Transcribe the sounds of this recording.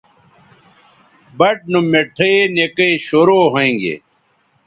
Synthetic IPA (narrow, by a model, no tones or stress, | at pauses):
bɐʈ̚numeʈʰeenekeɕoːɾoːɦoẽŋɡḛ